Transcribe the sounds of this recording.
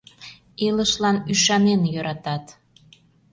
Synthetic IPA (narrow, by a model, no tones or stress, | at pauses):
eləʃlɑnyʃɑnenjøɾɑt̪ɑt̪